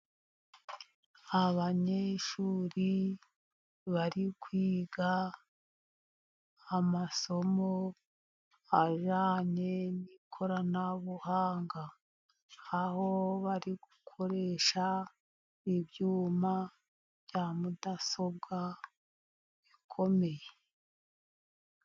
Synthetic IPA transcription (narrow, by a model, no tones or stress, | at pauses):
aβaɲeʃuːɾi | βaɾikwiːɡa | maso̞mo | aʒaːɲe̞nikʰo̞ɾanaβuhaːŋɡaː | ho̞βaɾiɡ̥ukʰo̞ɾe̞ʃa | iβjuːma | βjaːmudaso̞b̚ɡa | βikʰo̞me̞je